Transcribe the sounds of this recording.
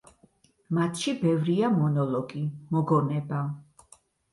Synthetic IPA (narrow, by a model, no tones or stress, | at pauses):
mat̪ʰʃibɛvɾiamɔnɔlɔɡimɔɡɔnɛba